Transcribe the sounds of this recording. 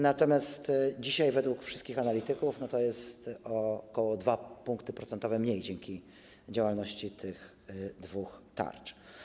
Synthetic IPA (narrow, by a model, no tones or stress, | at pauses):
nat̪ɔmʲjast̪d͡ʑiɕajvɛd̪wukfʂɘst̪kʲixanalʲit̪ɘkufnɔt̪ɔjɛst̪ɔkɔwɔd̪vapuŋkt̪ɘpɾɔt̪sɛnt̪ɔvɛmɲejd͡ʑɛŋkʲi | d͡ʑawalnɔɕt͡ɕit̪ʰɘx | d̪vuxt̪a̰ɾt͡ʂ